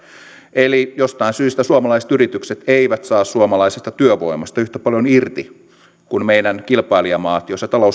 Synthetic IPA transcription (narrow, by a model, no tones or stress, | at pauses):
elijost̪ɑinsyːst̪æsuomɑlɑise̥t̪yrit̪ykset̪eiʋæt̪sɑːssuomɑlɑisest̪ɑt̪yøʋoimɑst̪ɑyht̪æpɑljonirt̪i | kunmeinænkilpɑiliɑmɑːt̪joset̪ɑlou